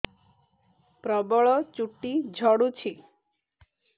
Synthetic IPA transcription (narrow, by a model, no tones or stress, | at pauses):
pɾɔbɔɭɔt͡ʃuʈːid͡ʒʱɔɽut͡ʃʰi